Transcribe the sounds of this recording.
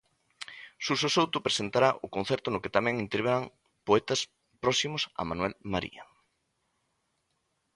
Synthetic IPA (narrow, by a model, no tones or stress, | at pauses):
susosowt̪ʊpɾesent̪aɾaʔʊkon̟θɛɾt̪ʊnʊket̪amɛ̃ŋint̪eɾβeɾaŋ | poɛt̪ɐs | pɾɔsimʊsɐ̰manwɛlmaɾḭɐ